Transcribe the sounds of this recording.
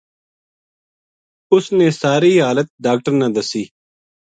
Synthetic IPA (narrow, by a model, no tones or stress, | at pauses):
ʊsneːsaːɾiːɦaːlət̪̚ɖaːk̚ʈəɾnaːd̪əsiː